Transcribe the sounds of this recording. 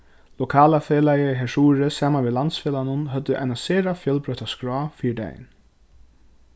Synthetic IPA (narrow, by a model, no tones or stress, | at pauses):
lɔkʰaːlafeːlajɪɦɛʂuːɾɪsaːmanʋiːlant̪sfeːlanʊnɦœt̪ːʏʔa̰jnaseːɾafjœlpɾœht̪askɹɔːfiːɪd̪ḛjɪ̰n